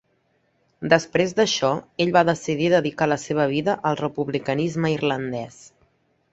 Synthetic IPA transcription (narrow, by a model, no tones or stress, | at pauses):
d̪əspɾezd̪əʃɔeʎβaðəsiðiðəðikaləseβ̞əβ̞iðəʔəlˠrəpuβlikənizməirlənd̪ɛs